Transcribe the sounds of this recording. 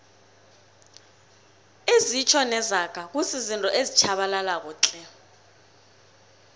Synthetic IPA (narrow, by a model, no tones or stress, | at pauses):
ezit͡ʃʰɔnɛzakʼak̬usizintʼɔʔezit͡ʃʰaɓalalak̬uːt͡ɬʼɛ